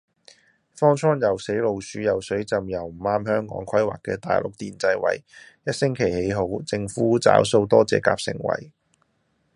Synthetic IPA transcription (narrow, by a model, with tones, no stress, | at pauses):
fɔː˥ŋt͡ʃʰɔː˥ŋjɐ˨˩wse˨˥jlo˨˧wsyː˨˥jɐ˨wsɵ˨˥ɥt͡sɐ˨˧mjɐ˨˩wm̩˨˩aː˥mhœː˥ŋkɔ̰ː˨˥ŋkʰɐ˥jwaː˨˩kɛː˧t̪a̰ː˨jlʊ˨k̚t̪iː˨nt͡sɐ˧jwɐ̰˨˩jjɐ˥t̚sɪ˥ŋkʰe˨˩jhe˨˥jɦo˨˥wt͡sɪ˧ŋfuː˨˥t͡sa̰ː˨˥wso˧wt̪ɔː˥t͡sɛ̰ː˧˥ka̰ː˧p̚sɪ̰˨˩ŋwɐ̰˨˩j